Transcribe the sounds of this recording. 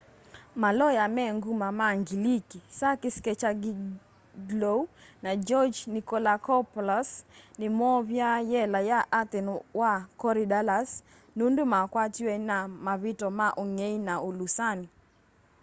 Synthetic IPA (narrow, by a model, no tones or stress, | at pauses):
malɔjamɛŋɡumamaŋɡilikisakɪskɛt͡ʃaɡi | ɡlounad͡ʒɔd͡ʒnikɔlakɔpɔlasnɪmɔβjajɛlajaʔat̪ɛnwakɔɾidalas | nundumakwat͡ʃwɛnamaβitɔmaʔɔŋeinaulusani